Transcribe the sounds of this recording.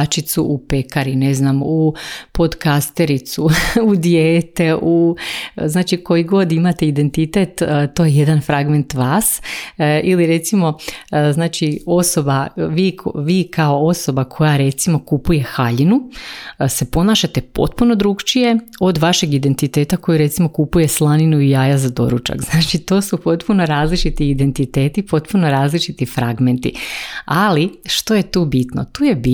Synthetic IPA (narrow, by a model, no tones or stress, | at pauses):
t͡ʃit̪suʔupe̞kaɾine̞znamupo̞d̪kast̪eɾit̪suud̪jeːt̪e̞ʔu | znaːt͡ʃiko̞iɡo̞d̪imat̪eid̪e̞nt̪it̪et̪t̪ːo̞je̞je̞d̪anfɾaɡme̞nt̪ʋaːs | iliɾe̞t̪simo̞znaːt͡ʃio̞so̞baʋiːkoʋiːkʰao̞o̞so̞bakʰo̞jaɾe̞t̪simo̞kupuje̞xaʎinu | se̞po̞naːʃat̪e̞po̞̰t̪̚puno̞d̪ɾuɡt͡ʃije̞o̞d̪ʋaʃe̞ɡid̪e̞nt̪it̪e̞ːt̪ako̞jiɾe̞t̪simo̞kupuje̞slˠaninuijaːjazad̪o̞̰ɾut͡ʃa̰ɡznaːt͡ʃit̪o̞ːsupo̞t̪puno̞ɾaːzlit͡ʃit̪iːd̪e̞nt̪it̪e̞ːt̪ipo̞t̪puno̞ɾaːzlit͡ʃit̪ifɾaɡment̪ḭaliʃt̪o̞je̞t̪uːbit̪no̞̰t̪uːjebi